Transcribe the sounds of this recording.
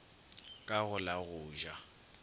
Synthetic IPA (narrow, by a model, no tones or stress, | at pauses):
kʼaɣʊlaɣʊːʒa